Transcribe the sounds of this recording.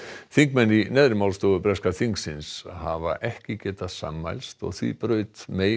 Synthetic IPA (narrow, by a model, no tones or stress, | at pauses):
θiŋkmɛnːinɛːðɾɪmawlst̪oːɣʏpɾɛskaθiŋksɪnshava̰ʔɛhcɪcɛːt̪aðsa̰ma̰jlst̪ɔ̰ɣθvḭpɾœːɥt̪meː